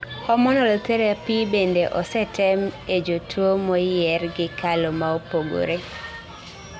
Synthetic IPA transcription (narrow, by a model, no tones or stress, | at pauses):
kɔmɔnɔloteɾeapibendeʔɔsɛtʰɛmed͡ʒotʰwomɔjɛrɡɪkalɔmaopoɡo̰ɾe